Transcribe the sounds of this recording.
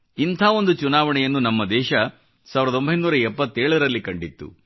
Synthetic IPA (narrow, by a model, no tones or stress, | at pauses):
int̪ʰaːo̞nd̪ut͡ʃunaːʋɐɳɛjɐnːunɐmːɐd̪ɛːʃɐ | saːʋiɾɐd̪o̞mbʱɐjnuːɾɐɛpːɐt̪ːeːɭɐɾɐlːikɐɳɖit̪ːṵ